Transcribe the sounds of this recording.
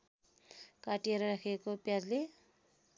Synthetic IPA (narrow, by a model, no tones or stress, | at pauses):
kaʈijeɾʌɾakʰekopjad͡zle